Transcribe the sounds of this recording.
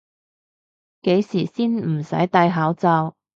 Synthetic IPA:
ke˨˥jsiː˨˩siː˥nm̩˨˩sɐ̰˨˥jt̪ɐ˨˧jɦaː˨˥wt͡sɐː˧w

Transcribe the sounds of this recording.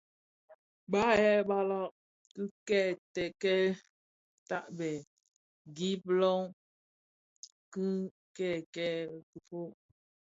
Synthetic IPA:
ba˦ɛ˦˨ba˦lɔ˦ʔ | kɨ˦kɛ˦˨tɛ˨kɛ˦ | ta˦ʔbɛ˨ | ɡi˦plɔ˦ŋ | kɨ˦ | kɛ˦˨kɛ˦˨ku˨po˦ʔ

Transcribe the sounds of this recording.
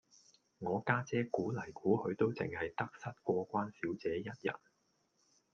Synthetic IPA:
ŋɔː˨˧kaː˥t͡sɛː˥kuː˨˥lɐ˨˩jkuː˨˥hɵ˨˧ɥt̪o˥wt͡sɪ̰˨ŋhɐ˨jt̪ɐ˥k̚sɐ˥t̚kʷɔː˧kʷaː˥nsiː˨˥wt͡sɛː˨˥jɐ˥t̚jɐ̰˨˩n

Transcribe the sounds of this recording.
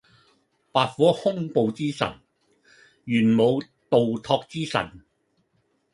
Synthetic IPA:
paː˧t̚fɔː˨˥hʊ˥ŋpo˨˧wt͡siː˥sɐ̰˨˩n | jyː˨˩nmo˨˧w | t̪o˨wt̪ʰɔː˧k̚t͡siː˥sɐ̰˨˩n

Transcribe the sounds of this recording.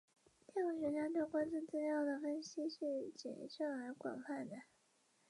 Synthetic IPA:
t̪jɛ˥˩wɔ˥˩ɕɥɛ˧˥t͡ɕɑ˥t̪kwa˥nt͡su˥˧nt͡sɹ̩˥˧ljɑ˥˩ʊd̪ə˩fə˥nɕi˥ʂɻ̩˥˩t͡ɕjɛ̰˨˩nɕɑ˥˩ŋə˞˧˥kwa̰˨˩nfa˥˩nd̪ə˩

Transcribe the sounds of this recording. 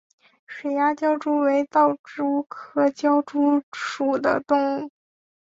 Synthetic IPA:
ʂwe˨˩ɪja˥t͡ɕjɑ˥ʊʈ͡ʂu˥we˧˥ɪt̪ɑ˥˩ʊʈ͡ʂu˥kʰɤ˥˩t͡ɕjɑ˥ʊʈ͡ʂu˥ʂu˨˩d̪ə̰˦t̪ʊ˥˩ŋ˥˩

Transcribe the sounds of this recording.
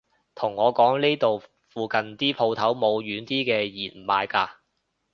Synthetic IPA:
t̪ʰʊ˨˩ŋːɔː˨˧kɔː˨˥ŋle˥t̪o˨w | fuː˨˧kɐ˨nt̪iː˥pʰo˧wt̪ʰɐ˨˥wmo˨˧wɥyː˨˧nt̪iː˥kɛː˧jiː˨˩n˨maː˨˧jkaː˧

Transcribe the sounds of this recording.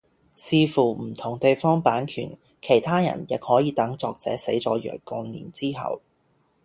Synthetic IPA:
siː˨˧fuː˨˩m̩˨˩t̪ʰʊ˨˩ŋt̪e˨jfɔː˥ŋpaː˨˥nkʰy̰ː˨˩n | kʰe˨˩jt̪ʰaː˥jɐ̰˨˩njɪ˨k̚hɔː˨˥jiː˨˧t̪ɐ˨˥ŋt͡sɔː˧k̚t͡sɛː˨˥se˨˥jt͡sɔ̰ː˨˧˥jœ̰ː˨˩kkʊ˧nnḭː˨˩nt͡siː˥ɦɐ̰˨w

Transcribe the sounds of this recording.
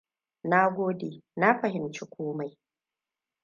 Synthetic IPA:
na˦ɡʷoː˦deː˨na˦ɸɐ˨ɦɪ˨mt͡ʃi˦kʷoː˦ma˨j

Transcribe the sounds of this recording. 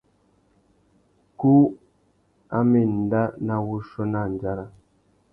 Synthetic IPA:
ku˦ | a˦me˨n̩˨da˦na˨wu˦ʃo˦na˦˨n˨d͡ʒa˦ɾa˦

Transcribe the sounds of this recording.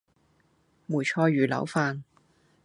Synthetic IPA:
muː˨˩jt͡ʃʰɔː˧ɥyː˨˩lɐ̰˨˥wfaː˧n

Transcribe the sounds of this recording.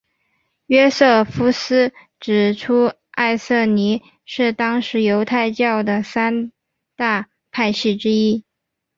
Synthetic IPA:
ɥɛ˥sɤ˥˩fu˥sɹ̩˥ | ʈ͡ʂɻ̩˨˩ʈ͡ʂʰu˥ | a˥˧ɪsɤ˥˩ni˧˥ | ʂɻ̩˥˩t̪ɑ˥ŋʂɻ̩˧˥jo˧˥ʊt̪ʰa˥˧ɪt͡ɕjɑ˥˩ʊd̪ə˩sa˥n | t̪a˥˧ | pʰa˥˧ɪɕi˥˩ʈ͡ʂɻ̩˥i˥

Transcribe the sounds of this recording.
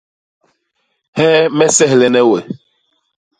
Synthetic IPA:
hɛ˦mɛ˦sɛ˦hlɛ˨nɛ˦we˨

